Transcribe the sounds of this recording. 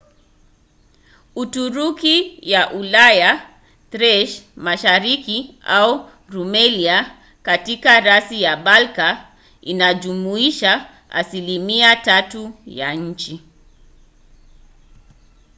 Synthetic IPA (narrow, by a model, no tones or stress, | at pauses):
utuɾukijaʔulaja | tɾɛʃmaʃaɾiki | au | ɾumɛlia | katikaɾasijaɓalka | inaʄumuiʃa | a̰silimiatatujaɲ̩t͡ʃi